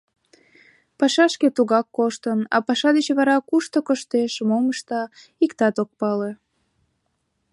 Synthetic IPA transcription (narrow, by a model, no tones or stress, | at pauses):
pɑʃɑʃket̪uɣɑkːoʃt̪ənɑ̰pɑʃɑd̪et͡ɕβɑɾɑkuʃt̪okoʃt̪eʃmoməʃt̪ɑ | ikt̪ɑt̪ok̚pɑle